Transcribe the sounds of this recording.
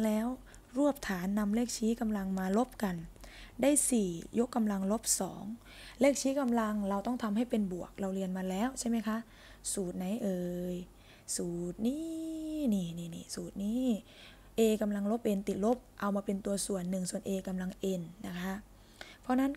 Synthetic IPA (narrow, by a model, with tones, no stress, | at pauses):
lɛː˦˥w | ɾu˥˩əp̚t̪ʰaː˩˦nːa˧mleː˥˩k̚t͡ɕʰiː˦˥ka˧mla˧ŋmaː˧lo˦˥p̚ka˧ndaː˥˩jsiː˨˩jo˦˥kːa˧mla˧ŋlo˦˥p̚sɔ̰ː˩˦ŋ | leː˥˩k̚t͡ɕʰiː˦˥ka˧mla˧ŋɾa˧wt̪ɔ˥˩ŋt̪ʰa˧mɦa˥˩jpe˧nbu˨˩ək̚la˧wli˧ənmaː˧lɛː˦˥˨wt͡ɕʰa˥˩jma˦˥˩jkʰa˦˥ʔ | suː˨˩t̪̚na˨˩˦jʔɤː˧j | suː˨˩t̪̚niː˥˩niː˧˩niː˧˩nḭː˧˩suː˨˩t̪̚niː˦˥ | ʔeː˧ka˧mla˧ŋlo˦˥p̚ʔe˧nt̪i˨˩t̪̚lo˦˥p̚ʔa˧wmaː˧pe˧nt̪u˧ɐsu˨˩ənːɯ˨˩ŋsu˨˩ənʔeː˧ka˧mla˧ŋʔe˧nːa˦˥kʰa˦˥ʔ | pʰɔ˧˥na˦˥˨n